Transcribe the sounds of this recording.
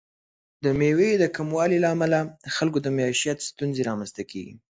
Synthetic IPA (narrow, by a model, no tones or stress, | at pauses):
d̪əmewed̪əkamwɑlilaːmalaəxalkod̪əmaeʃjat̪st̪unzeɾɑmanst̪akḛɡḭ